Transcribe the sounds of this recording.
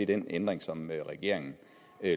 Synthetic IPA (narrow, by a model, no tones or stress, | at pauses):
id̥enend̥ʁeŋsɒ̽məʁɛɡ̥e̝̰ɐ̰eŋn̩ | ø